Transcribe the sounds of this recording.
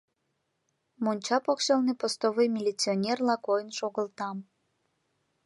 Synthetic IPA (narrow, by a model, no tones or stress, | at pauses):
monʲt͡ɕɑpokʃɑlnepost̪oβojmʲilʲit͡sionʲerlɑkojənʃoɣəlt̪ɑm